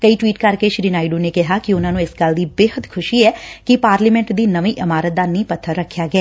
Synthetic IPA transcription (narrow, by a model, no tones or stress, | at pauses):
kəiːʈwiːʈkəɾkeʃɾiːnaːiɖũːnekɪɦaːkiʊnãːnũɪsɡəld̪iːbeːɦət̪kʰʊʃiɛːkipaːɾliːmɛ̃ɳʈd̪iːnəʋĩːʔɪmaːɾət̪̚d̪aːnĩːpət̪ʰːəɾːəkʰːjaːɡeɛː